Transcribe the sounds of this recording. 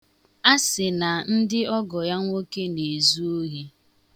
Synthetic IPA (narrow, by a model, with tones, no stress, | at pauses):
a˦sɪ˨na˨n̩˦dɪ˦ɔ˦ɡɔ˨ja˦ŋʷo˦ke˦ne˨zu˦o˦ɦe˦